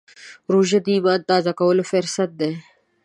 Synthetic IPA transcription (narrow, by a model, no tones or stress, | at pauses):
ɾuːʒɐd̪iːbaːd̪̚t̪aːzakɐwɐlofeɾsɐt̪̚d̪eː